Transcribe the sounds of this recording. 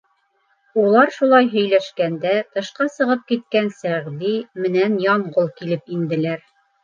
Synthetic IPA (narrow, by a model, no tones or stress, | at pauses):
ulˠɑɾʃulˠɑjɦɵ̆jlæʃkænd̪æt̪ɤ̆ʃqɑsɤ̆ʁɤp̚kit̪̚kænsæʁd̪imɘ̆nænjɒmʁolˠkilɘpind̪ɘ̆læɾ